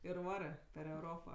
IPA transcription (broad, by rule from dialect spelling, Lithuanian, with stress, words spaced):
ɪr ˈʋɑːrɜ pʲɛr ɛʊˈroːpɐ